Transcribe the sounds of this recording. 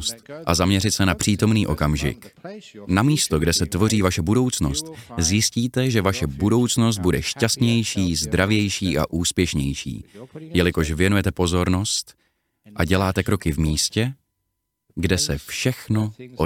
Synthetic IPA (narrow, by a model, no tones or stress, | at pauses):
st̪ʔazamɲɛɾɪt̪sɛnapr̝̥iːt̪o̞mniːʔo̞̰kamʒɪ̰knamiːst̪oɡdɛsɛt̪vo̞riːvaʃɛbudo̞wt͡sno̞st̪zjɪsciːt̪ɛʒɛvaʃɛbudo̞wt͡sno̞s̬t̪̚budɛʃcast̪ɲɛjʃiːzd̪ɾʔavjɛjʃiːʔa̰ʔuːspjɛʃɲɛjʃḭːjɛlɪko̞ʃvjɛnujɛt̪ɛpo̞zo̞ɾno̞st̪ | ʔaɟɛlaːt̪ɛkɾo̞kɪvmiːscɛ | ɡdɛsɛfʃɛxno̞ʔo